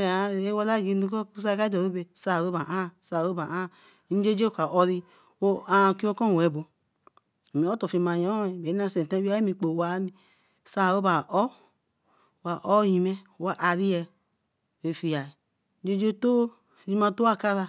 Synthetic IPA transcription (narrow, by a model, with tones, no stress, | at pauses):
a˨˦˨e˦wa˦la˦˨ɡi˨˦nu˦kɔ˦ku˦s̬a˦˨ka˦dɔ˨ɾo˦be˨sa˦˨ɾo˦ba˨ʔa˦˨sa˨ɾo˦ba˨ʔa˦˨˦ | d͡ʒe˦d͡ʒe˦kʷa˨ʔɔ˧ɾi˧ | o˦a˨˦˨ki˦o˦kɔ˦˨ɛ˨bo˨ | mi˨ɔ˦to˨fi˨˧˨ma˨jɔ˦ɛ˨be˨˦n˦a˦˧˨se˨tã˦a˦e˦mi˧˨k͡po˨wa˨˦mi˨ | sa˦˨o˦ba˨ʔɔ˦˨ | wa˨ʔɔ˦ji˨mɛ˦wa˨ʔa˨ɾi˦jɛ˧ | e˨fi˨ja˨i˨˦ | d͡ʒe˦d͡ʒe˦to˦˨ | ji˦ma˧to˦a˦˨ka˦ɾa˧